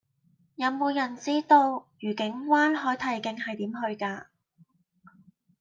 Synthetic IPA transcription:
jɐ˨˧wmo˨˧wjɐ˨˩nt͡siː˥t̪o˧wjyː˨˩kɪ˨˥ŋwaː˥nɦɔː˨˥jt̪ʰɐ˨˩jkɪ˨˧ŋhɐ˨jt̪iː˨˥mhɵ˧ɥkaː˧

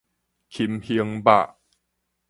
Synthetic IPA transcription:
kʰi˧˩mhi˧əŋba̰˧˨ʔ

